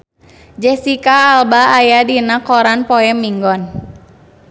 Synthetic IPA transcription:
d͡ʒɛsikaːlbaːjadinakɔɾanpɔɛmiŋɡɔn

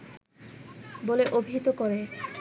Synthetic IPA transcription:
boleʔobʱiɦit̪okoɾe

